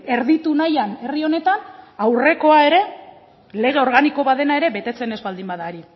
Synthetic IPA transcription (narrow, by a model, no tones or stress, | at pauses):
e̞ɾðit̪unajane̞rio̞ne̞t̪anawre̞ko̞ae̞ɾe̞ | le̞ɣ̞e̞o̞ɾɣ̞aniko̞βaðe̞nae̞ɾe̞βe̞t̪e̞t͡se̞ne̞zβald̪imbaðaɾi